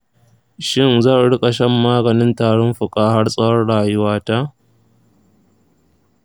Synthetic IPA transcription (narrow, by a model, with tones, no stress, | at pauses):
ʃɪ˦nzaː˦˨ɽʊ˦kʼa˨ʃɐ˦mːaː˦ɡɐ˨nɪ˦ntaː˨ɽɔ˦mɸʊ˨kʼaː˦ha˦rsʼɐ˦wɐ˦rɽaː˨jʊ˦waː˦ta˦ʔ